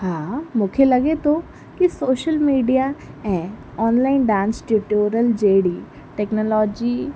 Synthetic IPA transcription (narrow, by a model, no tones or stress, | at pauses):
ɦãːmʊkʰelɐɡet̪ʰo | kisoːʃəlmiːɖijaɛ̃ː | ɔːnlaːɪnɖãːnsʈuʈoːɾəld͡ʒeːɽi | ʈeːknɔlɔːd͡ʒi